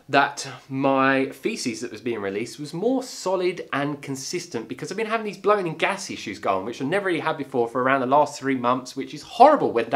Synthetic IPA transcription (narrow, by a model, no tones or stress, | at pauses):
ðətmaɪfisizðɨʔ̚wʌzbiɪ̃ŋɹɪliˑst̚wʌzmɔːɹsɑlˠɪdə̃nkʰɨ̃nsɪstɨ̃nb̥ɨkʰʌzaɪvbɨ̃nɦavɪ̃ŋðizblə̃ʊɪ̃nɪ̃ŋɡæsɪʃʉzɡɔ̰̃nwɨt͡ʃəɪnɛvə˞iəd̚bɨfɔɹfə˞əɹãʊ̃nðəlɑˑst̪θɹimʌ̃nθswɨt͡ʃɨz̥hɔɹəbəl̩ˠwɛ̃nd